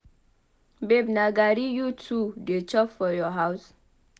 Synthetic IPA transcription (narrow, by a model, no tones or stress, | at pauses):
bebnaɡaɾijutʰudet͡ʃɔpfɔjɔɦaws